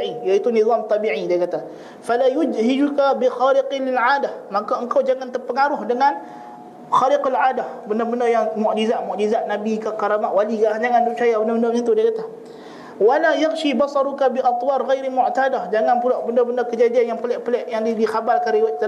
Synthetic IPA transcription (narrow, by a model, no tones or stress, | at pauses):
ijait̪unizˤɑmt̪ˤɑbiʕidiakat̪a | falajʊd͡ʒɦid͡ʒukabixaɾɪqlɪlʕaːdahmakaəŋkawd͡ʒaŋant̪ərpəŋaɾʊhdəŋan | xaɾɪqalʕaːdahbəndəbəndəjaŋmɔʔd͡ʒizaʔmɔʔd͡ʒizaʔ̚nabikakaɾamaʔwalikaʔd͡ʒaŋanduʔt͡ʃajabəndabəndəbnat̪udiakat̪a | walajaxʃibɑsˤɑɾukabiʔɑt̪ˤwɑɾɣajɾamʊʔt̪adahd͡ʒaŋanpulaʔbəndəbəndəkəd͡ʒadianjaŋpəlɛʔpəlɛʔjaŋdidixabarkanɾiwat̪